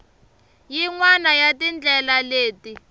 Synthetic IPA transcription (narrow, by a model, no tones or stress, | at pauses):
jiŋwanajatind͡ɮʱɛlaleːti